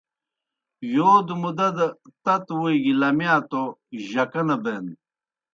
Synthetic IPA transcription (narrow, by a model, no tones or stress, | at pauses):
joːd̪umud̪ɐd̪ɐt̪ɐt̪wuiɡilɐmjaːt̪oʑɐkɐnɐbeːn